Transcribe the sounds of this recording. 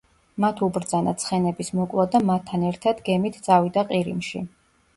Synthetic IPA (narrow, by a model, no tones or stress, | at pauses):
mat̪ʰubɾd̪zana̰t̪sʰχɛnɛbismɔkʼlˠad̪amat̪ʰːanɛɾt̪ʰad̪ɡɛmit̪ʰt̪sʼavid̪aqʼiɾimʃḭ